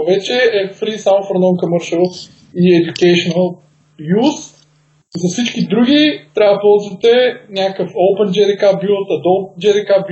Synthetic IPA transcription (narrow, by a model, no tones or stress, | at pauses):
vɛt͡ʃɛɛfɾisamofɾonɔmkəməɾʃəlˠs | iɛd̪ʲukɛʃonəlˠ | jus | izɐfsit͡ʃkʲid̪ɾuɡʲit̪ɾʲavd̪əpɔlˠzvɐt̪ɛnʲakəfoʊpɛnd͡ʒɛɾikabulˠt̪ɐd̪opnd͡ʒɛɾikab